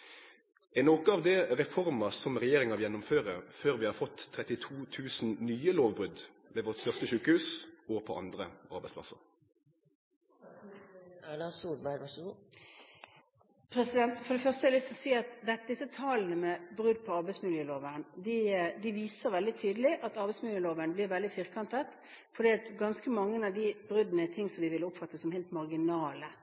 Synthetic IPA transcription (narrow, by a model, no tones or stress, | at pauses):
ɛnoːkəɑʋd̪ɛʁɛfɔʁmɑsɔmʁɛjeːʁɪŋɑjɛnːʊmføːʁəʁføːʁʋɪhɑːʁfɔt̪ʰːʁɛt̪ɪt̪ʰuːt̪ʰʉːsn̩nyːəloːʋbʁʉd̪ | ʋeːʋɔʁt̪st̪œʁst̪əʃʉːkəhʉːsɔpʰɔ̰ʔɑ̰nd̪ʁəʔɑ̰ʁbæɪspʰlɑ̰sə̰ʁ | ælɑsuːlbæɪɾɑ | pʰɾɛsɪd̪ɛnt̪fɔʁd̪ɛfœʁst̪əɛɾlʏst̪ʰlɔsiːɑt̪d̪ɛd̪ɪsət̪ʰɑːlnəmɛbʁʉd̪̚pʰɔɑʁbɛɪsmɪljəːloːʋənd̪ɪd̪ɪʋiːsəʁʋɛld̪ɪt̪ʰyːd̪əlɪʔɑt̪ɑʁbɛɪsmɪljəːloːʋənblɪʁʋɛld̪ɪfɪʁkʰɑnt̪ət̪ | fɔɾd̪iːɑt̪ɡɑnskəmɑŋːənɑʋd̪ɪbʁʉd̪nəɪt̪ʰɪŋːsɔmʋɪʋɪlːəʊpfɑt̪ːəsɔmheːlt̪mɑʁɡɪnɑːlə